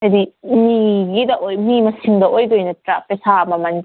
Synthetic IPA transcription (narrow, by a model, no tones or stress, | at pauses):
ɐdimiɡidɐʔojmimɐsiŋdɐʔojdojnɐtɾapesamɐmɐn